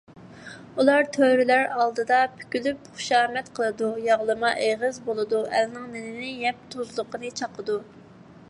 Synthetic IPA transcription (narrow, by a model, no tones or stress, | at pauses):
ulˠɑɾt̪ʰøɾylæɾɑlˠd̪ɨd̪ɑpʰy̥kʲylypχʊ̥ʃɑːmɛt̪qʰəlˠɨd̪ujɑʁlˠɨmɑʔeʁəzbolˠɨd̪uʔɛlnɪŋnɪnɪnɪjɛp̚t̪ʰuzlˠʊqʰənɨt͡ʃʰɑqʰəd̪u